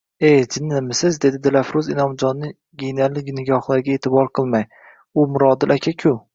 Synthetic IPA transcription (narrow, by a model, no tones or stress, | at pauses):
ed͡ʒɪnːɪmɪsɪzd̪e̞d̪ɪd̪ɪlafɾʊzɪnɒmd͡ʒɒnːɪ | ɡʲejnalɪɡʲɪnɪɡʲɒχlˠaɾɡʲae̞ːt̪ʰɪbɒɾqʰɨlˠmaj | ʊmʊɾɒd̪ɪlʔakʲʰakʲʰʊ